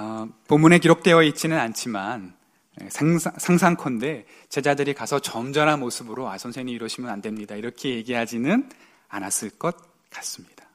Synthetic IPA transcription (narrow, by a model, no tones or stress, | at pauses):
pomːune̞k̬iɾok̚t͈e̞ʌit͡ɕ͈inɯnant͡ɕʰiman | ḛsʰsʰaŋsʰaŋkʰʌnde̞ | t͡ɕe̞d͡ʑadɯɾikasʰʌt͡ɕʌmd͡ʑʌɾɦanmosʰɯbɯɾoasʰʌnsʰeɲiiɾwʌɕʰimjʌnandwe̞mɲidaiɾʌkʰe̞je̞ɡiɦad͡ʑinɯn | a̰nas͈ɯɭk͈ʌt̚ | k͈ḁs͈ɯmɲid̥a